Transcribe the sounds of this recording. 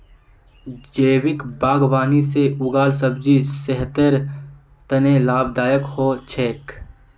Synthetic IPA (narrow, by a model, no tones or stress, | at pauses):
d͡ʒeːwɪkbaːɡʋaːniseʊɡaːlsəbd͡ʒisɛɦt̪əɾ | t̪ənẽlaːbd̪aːjəkhoːt͡ʃʰeːk